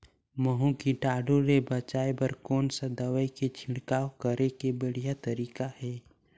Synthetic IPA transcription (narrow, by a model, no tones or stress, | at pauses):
məɦũkiʈaːɖõɾebət͡ʃaːebəɾkɔːnsad̪əwəeket͡ʃʰɪ̃ɽkaːokəɾekebəɽ̤ijat̪əɾiːkahɛː